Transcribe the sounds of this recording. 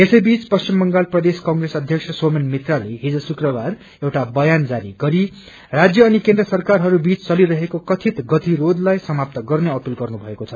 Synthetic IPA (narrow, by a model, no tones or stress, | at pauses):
esʌjbit͡spʌst͡ɕimːʌŋɡalprʌd̪eskaŋɡresʌd̪ʱjʌksʰʌswomenmit̪raleɦid͡zʌsukrʌbar | ewʈabʌjand͡zaɾiɡʌɾi | rad͡zjʌːnikẽnd̪rʌsʌrkarɦʌɾubit͡st͡sʌliɾʌɦekokʌt̪ʰit̪ɡʌt̪ʰirod̪lajsʌmap̚t̪ʌɡʌrneʌpilɡʌrnubʱʌekot͡sʰʌ